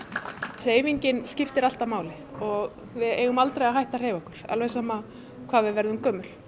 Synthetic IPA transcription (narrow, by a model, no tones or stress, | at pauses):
r̥eːjviɲcɪnscɪft̪ɪɾal̥t̪amaːwlɪ | ɔɣ | vɪðeːjɣʏmalt̪ɾejaɦajht̪ar̥eːjvɔhkʏɾ̥a̰lvejsaːma | kʰv̥aːvɪðvɛɾðʏmkœːmʏl̥